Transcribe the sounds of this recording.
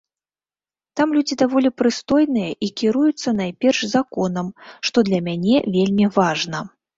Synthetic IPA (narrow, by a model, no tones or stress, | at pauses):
t̪amlʲud͡zʲid̪avɔlʲipɾɨst̪ɔjnɨjɐʔikʲiɾujut̪sːɐnajpʲɛrʂzakɔn̪ɐmʂt̪ɔd̪lʲɐmʲanʲɛvʲelʲmʲivaʐnɐ